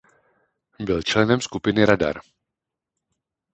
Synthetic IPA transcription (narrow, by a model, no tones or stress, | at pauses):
bɪlt͡ʃlɛnɛmskupɪnɪɾada̰ɾ